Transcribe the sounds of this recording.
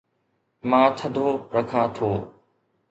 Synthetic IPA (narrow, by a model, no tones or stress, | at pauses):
mãːt̪ʰəd̪ʱoːɾəkʰãːt̪ʰoː